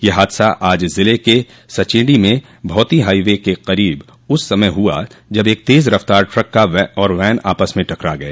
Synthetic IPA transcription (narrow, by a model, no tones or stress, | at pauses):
jeɦaːd̪saʔaːd͡ʒzɪleke | sɐt͡ʃɪ̃ːɖimẽ | bʱɔːt̪iɦaːiʋekeqɐɾiːb | ʊsːɐməjɦua̰d͡ʒɐbeːk̚t̪eːzɾɐft̪aːɾʈɾɐkːaʋɛɔːɾʋɛːna̰ːpəsmẽʈɐkɾaɡɐeː